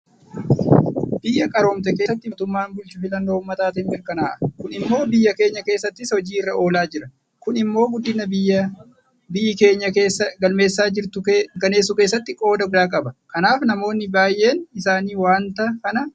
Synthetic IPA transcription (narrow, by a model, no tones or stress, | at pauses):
b̥ɪjːɐkʼɐɾoːmt̪̬ɛkeːsɐt̪ːɪt̪ʊmːaːnbʊlt͡ʃʊfɪlɐnːo̞ːʊmːɐt̪aːt̪ɛnbɛɾkɐnaːʔɐ̥kʊnɪmːo̞ːbɪjːɐke̞ːɲːɐke̞ːsːɐt̪ːɪsɔd͡ʒiːɪrːɐo̞ːlaːd͡ʒɪɾɐ | kʊnɪmːo̞ːɡʊd̪ːɪnːɐbɪjːɐ | bɪɪke̞ːɲːɐkeːsːɐɡɐlme̞ːsːaːd͡ʒɪɾt̪ʊkɐneːsːʊke̞ːsːɐt̪ːɪkʼo̞ːd̪ɐɡʊd̪aːkʼɐbɐkɐnaːfnɐmo̞ːnːɪbaːjːe̞ːnɪsaːniːwaːnt̪ɐkɐnɐ